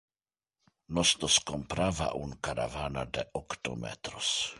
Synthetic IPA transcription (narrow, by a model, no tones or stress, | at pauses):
nosnoskompɾava̰ʔuŋkaɾa̰vanad̪eʔokt̪omḛt̪ɾos